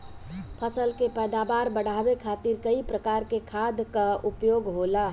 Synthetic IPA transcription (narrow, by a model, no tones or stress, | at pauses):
pʰəsəlkepɛːd̪abaːɾbəɽ̤abekʰat̪iɾkəipɾəkaɾkekʰad̪ʱkaupjoːɡɦola